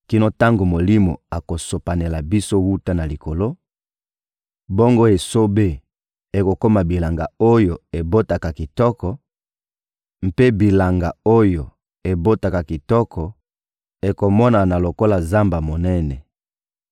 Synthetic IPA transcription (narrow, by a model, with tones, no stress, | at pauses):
ki˦no˦ta˦ŋɡo˨mo˨li˦mo̰˨a˨ko˨so˨pa˨ne˨la˨bi˦so˦wu˦ta˦na˨li˨ko˨lo˦ | bo˦ŋɡo˦e˨so˦be˦ | e˨ko˨ko˦ma˨bi˨la˨ŋɡa˨o˦jo˨e˨bo˦ta˨ka˨ki˨tɔ˦kɔ˨ | m̩˨pe˦bi˨la˨ŋɡa˨o˦jo˨ | e˨bo˦ta˨ka˨ki˨tɔ˦kʰɔ˨ | e˨ko˨mɔ˦na˨na˨lo˨ko˦la˨za˦mba˨mo˨nɛ˦nɛ˨